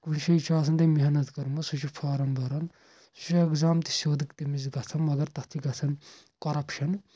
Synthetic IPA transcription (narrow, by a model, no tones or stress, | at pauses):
kunʃʰɐit͡ʃʰaːsʰɐnt̪ɐmiɦɐnɐt̪kɐɾmɐsut͡ʃʰipʰaːɾɐmbɐɾɐn | su̥t͡ʃʰieɡzaːmt̪i̥soːd̪ikt̪imizɡɐt͡sʰɐnmɐɡɐɾt̪ɐt̪ʰiɡɐt͡sʰɐn | kɐɾɐpʃɐn